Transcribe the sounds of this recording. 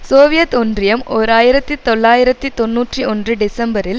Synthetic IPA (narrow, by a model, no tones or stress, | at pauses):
soːʋɪjɐt̪ɔndrɪjɐmoːɾaːjɪɾɐt̪ːit̪ɔɭːaːjɪɾɐt̪ːit̪ɔnːuːʈriɔndrɯɖɪsɐmbɐɾɪl